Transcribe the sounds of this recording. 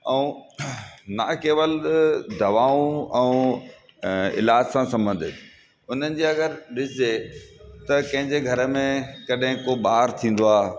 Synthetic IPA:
ɛ̃ũ | nakeːʋəld̪ɐʋaːũɛ̃ | ɪ̰laːd͡ʑsãsɐ̃mbə̃nd̪ʱɪt̪ | ʊn̤ənɪ̆d͡ʑeɐɡəɾɗɪsɪzet̪ɐkɐ̃ɦɪ̃ɲd͡ʑeɡʱɐɾə̆mẽkɐɗɦɪ̃koɓaːəɾt̪ʰĩːn̆d̪oaː

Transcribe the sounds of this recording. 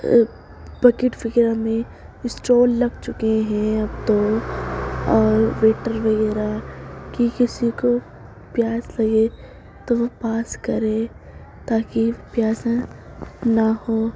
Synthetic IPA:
bɐkɪʈpʰɪɡɾamẽ | ɪsʈoːlːɐɡt͡ʃʊkeɦɛ̃ɐbt̪o | ɔːɾʋeːʈəɾʋɐɣɛːɾakikɪsiko | pjaːslɐɡe | t̪oʋopaːskɐɾe | t̪aːkipjaːsã | nahoː

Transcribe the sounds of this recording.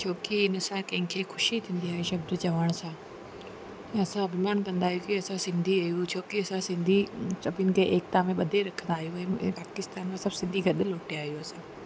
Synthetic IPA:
t͡ɕʰoːkiɪnə̆sãkɐ̃ɦɪ̃kʰeːxʊʃit̪ʰĩːn̆d̪iaːɦeʃɐb̚d̪ʊt͡ɕɐʋəɽ̃sãː | ɛ̃ɐsãbʱɪmaːnkɐ̃nd̪aːɦjukiɐsãsɪ̃nd̪ʱiɐɦijut͡ɕʰoːkiɐsãsɪ̃nd̪ʱisɐbʱɪnkʰeʔeːkt̪amẽɓɐd̪ʱeɾɐkʰə̃nd̪aːɦijũɛ̰̃ːpaːkɪst̪aːnmãsɐbsɪ̃nd̪ʱiɡʱɐɗɪloːʈiaːɦijuɐsã

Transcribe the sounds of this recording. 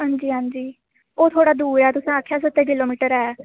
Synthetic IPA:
ɦãːɲd͡ʒiːɦãːɲd͡ʒiː | oːt̪ʰoːɽaːd̪uːɾɛːt̪ʊsãakʰjaːs̬ət̪ːeːk̬ɪloːmiːʈəɾɛː

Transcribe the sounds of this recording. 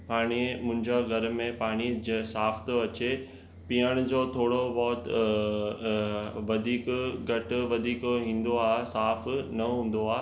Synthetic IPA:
paːɽ̃imʊ̃ɪ̃ɲd͡ʑaɡʱɐɾ̆mẽpaːɽ̃id͡ʑesaːft̪oɐt͡ɕe | piːəɽ̃ʊd͡ʑoːt̪ʰoːɽobɔːt̪ | ʋɐd̪ʱiːkɡɐʈ̆ʋɐd̪ʱiːkɦĩːn̆d̪oaːɦesaːfnɐɦũːn̆d̪oaː

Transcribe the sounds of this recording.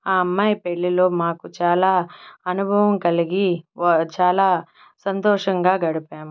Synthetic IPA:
aːɐmːaːjpeɭːiloːmaːkut͡ʃaːlaːɐnubʱɐʋɐmkɐliɡit͡ʃaːlaː | sɐnt̪ɔːʂɐŋɡaːɡɐɽipaːmu

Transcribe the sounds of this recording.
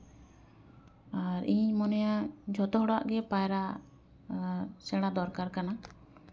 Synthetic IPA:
aɾiɲmɔnɔjad͡ʒʱɔt̪ɔɦɔɽa̰ʔɡɛpajɾa | sɛɽ̃ad̪ɔɾkaɾkana

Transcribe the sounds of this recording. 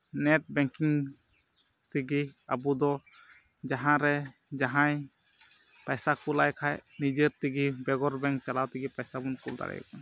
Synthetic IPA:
nɛt̚bɛŋkiŋ | t̪iɡiabud̪ɔ | d͡ʒaɦãɾɛd͡ʒaɦaj | pajsakulajkʰajnid͡ʒəɾt̪iɡibɛɡɔɾbɛŋt͡ʃalawt̪iɡipajsabunkult̪a̰ɾɛ̰j̰kɔ

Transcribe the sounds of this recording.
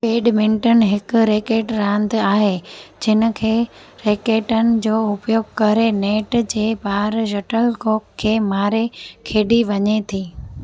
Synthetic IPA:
peːɖmɪ̃ɳʈənɪ̆ɦɪkʊ̆ɾeːkeːʈɾãːnd̪aːɦed͡ʑɪnə̆kʰeː | ɾeːkeːʈənɪ̆d͡ʑoːʊpjoːɡ̚kɐɾeneːʈd͡ʑeːbaːɾd͡ʑɐʈəlkoːkkʰːeːmaːɾekʰeːɖiʋɐɲet̪ʰiː

